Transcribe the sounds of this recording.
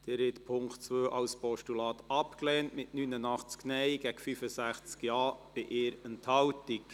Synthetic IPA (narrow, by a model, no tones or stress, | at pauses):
d̥eɾhɛt̪pʰʊŋktt͡sʋøːʔɑwspɔʃtulɑːt̪ɑpklɛːntmɪtnynənɑχt͡sknɛjɡ̥æɡfyfəsæχt͡skjɑːb̥ɪʔɪːɾəntʰhɑwtik